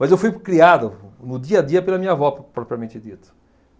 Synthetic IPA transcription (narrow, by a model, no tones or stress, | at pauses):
mɐzewfujkɾiaðɐnʊd̪iɐad̪iɐpelɐmĩɲɐvɔpɾɔpɾiɐmẽnt̪ɪd̪it̪ɐ̥